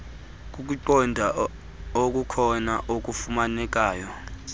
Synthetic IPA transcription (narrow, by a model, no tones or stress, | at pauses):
k̬uk̬uǃɔndʱa | ok̬ʼukʰɔnaʔok̬ufumanɛk̬aːjɔ